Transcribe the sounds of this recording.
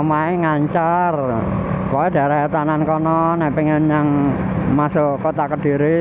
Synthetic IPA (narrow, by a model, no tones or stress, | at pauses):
maeŋaɲt͡ʃarkɔɛd̥a̤ɾaɦet̪anankɔnɔnɛʔpiŋənjaŋ | masokot̪akəd̥i̤ɾi